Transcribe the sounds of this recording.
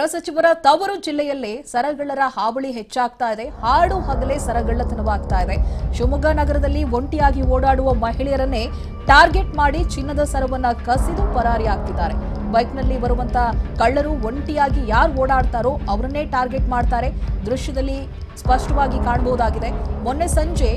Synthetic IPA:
ɾɐsɐt͡ʃiʋɐɾɐt̪ɐʋɐɾud͡ʒilːɛjɐlːesɐɾɐɡɐɭːɐɾɐhaːbɐɭiɦet͡ʃːaːɡt̪aːjid̪e̞haːɽuːɦɐɡɐle̞ːsɐɾɐɡɐɭːɐt̪ɐnɐʋaːɡ̚t̪aːjid̪e̞ʃumɐɡanɐɡɐɾɐd̪ɐlːiʋoɳʈijaːɡioːɽaːɽuʋɐmɐɦiɭɛjɐɾɐnːe̞ | ʈaːɾɡe̞ʈmaːɽit͡ʃinːɐd̪ɐsɐɾɐʋɐnːɐkɐsid̪upɐɾaːɾijaːɡ̚t̪id̪ːaːɾe̞ | bɐjknɐlːibɐɾuʋɐnt̪ʰɐkɐɭːɐɾuo̞ɳʈijaːɡijaːɾuoːɽaːɽt̪aːɾoːɐʋɐɾɐnːe̞ːʈaːɾɡeʈmaːɖt̪aːɾe̞d̪ɾuʃjɐd̪ɐlːi | spɐʂʈɐʋaːɡikaːɳɐboɦud̪aːɡid̪e̞monːe̞sɐɲd͡ʒe̞

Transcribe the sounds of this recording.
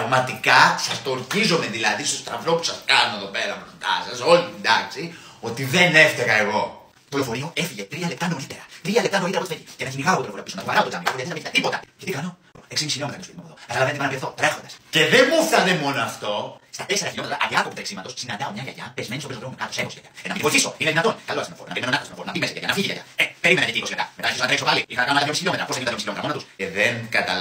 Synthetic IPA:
ɐɣmɐt̪ikɐsɐst̪oɾt̪izomeðilɐðist̪o̞st̪ɾɐvɾopu̥sɐskɐnoeðo̞pe̞ɾɐfɾost̪ɐ̰sɐso̞lind̪ɐksi | o̞t̪iðeneft̪eɣɐeɣo̞ | t̪olofo̞ɾioe̞fiʝe̞t̪ɾiɐlept̪ɐnolit̪eɾɐt̪ɾiɐlept̪ɐnoliteɾpoifeʝicenɐʝiniɣɐopot̪lfɾiɐpisonɐpovɐɾɐot̪ot̪ɐmiɐoiɐðenɐmiçiɐt̪ipo̞t̪ɐʝɐt̪ikano | eksimisiçiliomet̪ɐnt̪ospiðimɐpoðokɐt̪ɐlɐvent̪ipɐnɐvɾieθo̞t̪ɾexond̪ɐsceðemuθɐnemo̞noɐft̪ost̪ɐt̪e̞se̞ɾɐçilo̞me̞t̪ɾɐ̰ʔɐ̰liɐkopit̪ɐksimɐt̪o̞ssinɐnd̪ɐomɲɐʝɐ̰ʝɐpezme̞nistopistopɾexumekɐt̪osekosʝɐ̰jɐenɐminvoiθiso̞ineðinɐt̪onkɐloɐsenooɾonɐpeieonɐktosnoonɐpimesɐʝaʝa̰nɐfiʝiʝɐ̰ʝɐ̰epeimenɐt̪eikoʝet̪ɐmet̪ɐnçiosonɐt̪ɾesopaliixɐnɐɐnɐlɐmjomisçilo̞met̪ɾɐposteiot̪moisçilet̪ɾɐmnɐt̪useðeŋkɐt̪ɐ

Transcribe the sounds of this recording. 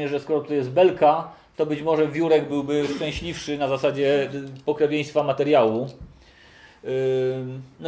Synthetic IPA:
ɲɛʐɛskɔɾɔt̪ɔjɛst̪̚bɛlka | t̪ɔbɘt͡ɕmɔʐɛvʲjuɾɛɡbɘwbɘʂt͡ʂɛ̃w̃ɕlʲifʂɘnazasad͡ʑɛpɔkɾɛvʲjẽj̃st̪famat̪ɛɾjawu | n

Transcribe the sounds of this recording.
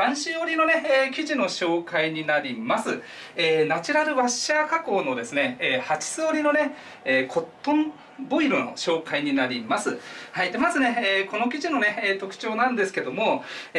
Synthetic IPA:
ãɰ̃ɕioɾʲino̞ne̞eːkʲiʑino̞ɕo̞ːkaiɲ̟inaɾʲimasɨ | eːnat͡ɕiɾaɾɯ̟βaɕːaːkako̞ːno̞d̪e̞sɨne̞eːhat͡ɕi̥sɨoɾʲino̞ne̞ | eːkʰo̞t̪ːõm | bo̞iɾɯ̟no̞̰ɕo̞ːkaiɲ̟inaɾʲimasɨhaid̪e̞mazɨne̞eːko̞no̞kʲiʑino̞ne̞eːt̪o̞kɯ̟̥t͡ɕo̞ːnãnd̪e̞sɨ̥ke̞d̪o̞mo̞

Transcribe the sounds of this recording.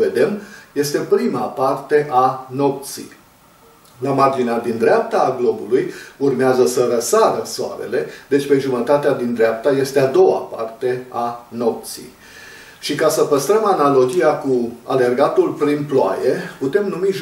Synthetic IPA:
ve̞d̪e̞mje̞st̪e̞pɾimapart̪e̞ʔano̞p̚t̪sḭj | lamard͡ʒinead̪ind̪ɾeap̚t̪aːɡlo̞bulujurmeazəsəɾəsaɾəsoa̰ɾḛle̞d̪e̞t͡ʃʲpe̞ʒumət̪at̪ead̪ind̪ɾeap̚t̪aje̞st̪ead̪o̞wa̰pa̰rt̪e̞ano̞p̚t̪sḭj | ʃikasəpəst̪ɾəmanalo̞d͡ʒijakua̰le̞rɡat̪ulpɾinploa̰jeput̪e̞mnumiʒ

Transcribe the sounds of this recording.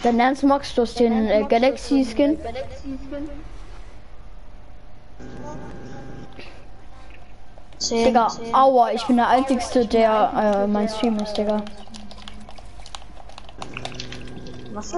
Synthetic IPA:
d̥anɛɐnsmaksd̥uɐstenɡ̥alaksiskɪn | d̥ɪɡɐʔaʊɐɪçb̥ɪndeɐʔaɪnt͡sɪɡstədeːɐɛmaɪnstʁyːməsd̥ɪɡɐ

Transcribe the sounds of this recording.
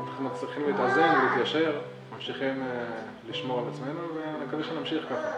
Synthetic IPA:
anaχnumat͡sliχimliːt̪azenvelit̪jaʃe̞ʁ | mamʃiχim | liʃmo̞ʁalat͡sme̞nuveakadeʃenamʃiχkaχa

